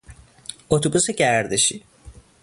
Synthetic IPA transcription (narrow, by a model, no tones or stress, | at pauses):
ot̪ʰobusacæɾd̪eʃi